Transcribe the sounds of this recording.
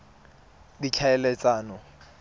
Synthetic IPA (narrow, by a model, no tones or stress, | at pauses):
dikʰaɛlɛt͡sʼaːnɔ